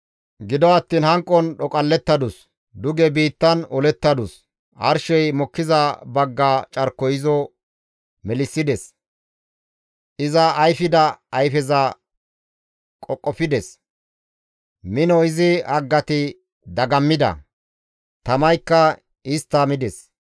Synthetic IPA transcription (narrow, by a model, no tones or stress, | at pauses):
ɡɪd̪ɔɐt̪ːiːnhɐŋkʼːɔnɗɔkʼɐlːɛt̪ːɐd̪ʊs | d̪ʊɡɛbiːt̪ːɐnɔlɛt̪ːɐd̪ʊs | ɐ̰ɾʃɛjmɔkːɪzɐbɐɡːaːt͡ʃʼɐɾkːɔjɪzɔ | mɛlɪsːɪd̪ɛs | ʔɪzɐːjfɪd̪ɐːjfɛzɐ | kʼɔkʼːɔfɪd̪ɛs | mɪnɔɪzɪɐɡːɐt̪ɪ | d̪ɐɡɐmːɪd̪ɐ̰ | t̪ɐmɐjkːɐ | ɪst̪ːɐmɪd̪ɛs